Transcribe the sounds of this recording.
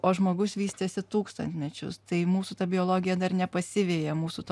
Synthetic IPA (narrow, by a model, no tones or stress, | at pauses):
oːʒmoːɡʊsʋʲiːsʲt̪ʲeːsʲɪt̪uːkst̪ɐnʲt̪ʲmʲɛt͡ʃʲʊ̰st̪ɐɪmuːsuːt̪ɐbʲɪoːlˠoːɡʲɪjɛd̪ɐrnʲɛpɐsʲɪʋʲeːjɛmuːsut̪